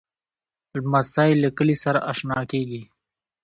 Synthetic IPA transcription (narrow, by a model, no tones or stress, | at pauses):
masajləkəlisaɾaʔaʃnɑːkeːɡi